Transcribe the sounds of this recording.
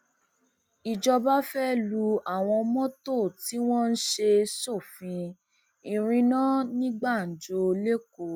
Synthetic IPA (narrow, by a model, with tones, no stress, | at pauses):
i˨d͡ʒɔ˧ba˦fɛ˦lu˧a˦˨w̃ɔ̃˧mɔ̃˦to˦˨ti˨˦w̃ɔ̃˦n̩˦ʃe˧so˦˨fĩ˧ | ĩ˨˧ɾ̃ĩ˧nã˦nĩ˦ɡ͡ba˦˨n̩˨d͡ʒo˧le˦ko˨˦